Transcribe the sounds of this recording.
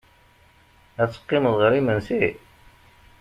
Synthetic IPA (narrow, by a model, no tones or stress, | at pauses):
æt͡sːə̥qːɪməðˤʁəɾimənsi